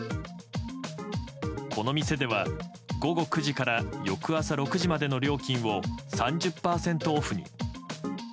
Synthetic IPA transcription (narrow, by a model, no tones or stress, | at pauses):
kʰo̞no̞mʲise̞d̪e̞β̞a | ɡo̞ɡo̞kɯ̟ʑikaɾajo̞kɯ̟asaɾo̞kɯ̟ʑimad̪e̞no̞ɾʲo̞ːkʲĩɰ̃βo̞sãɲ̟d͡ʑɨpːaːsẽ̞nt̪o̞ːɸɯ̟ɲ̟ḭ